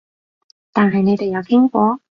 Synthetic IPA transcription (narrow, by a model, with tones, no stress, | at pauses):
t̪aː˨nɦɐ˨jne˨˧jt̪e˨jɐ˨˧wkʰɪ˥ŋkʷɔː˧˥